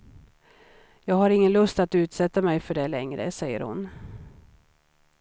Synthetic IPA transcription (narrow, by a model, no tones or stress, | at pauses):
jɑːɡhaɾɪŋːənlɵst̪at̪ʉ̟ːt̪sɛt̪ːamɛjfœɖɛlɛŋɾə̰sɛjːə̰ɾhʊ̰n